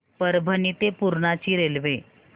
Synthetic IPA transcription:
pəɾbʱənit̪epuɾɳat͡ɕiːɾelʋe

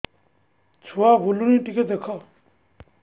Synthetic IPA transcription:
t͡sʰuabʱuluniʈiket̪̚d̪ekʰɔ

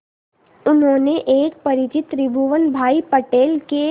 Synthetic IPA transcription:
ʊnɦõːneʔeːk̚pɐɾɪt͡ʃɪt̪ɾɪbʱuʋənbʱaːipəʈeːlke

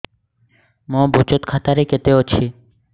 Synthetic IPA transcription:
mɔ̃ːbʱot͡ʃot̪kʰaːt̪aɾeket̪eot͡ʃʰiː

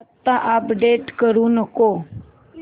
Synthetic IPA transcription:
t̪ːaʔapɖeːʈkəɾũnəko

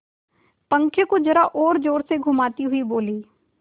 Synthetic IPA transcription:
pə̃ŋkʰjəkod͡ʒɐɾaʔɔːɾd͡ʒoːɾseɡʱʊmaːt̪iɦʊiboːliː

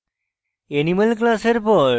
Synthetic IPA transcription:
eniməlk̬laseɾpɔɾ

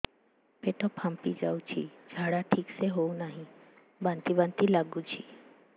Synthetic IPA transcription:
peʈopʰãmpid͡ʒa̰ːut͡ʃʰḭd͡ʒʱaːɽaʈʰiːkseɦounaɦĩ | bãnt̪ibə̃nt̪ilaɡut͡ʃʰḭː

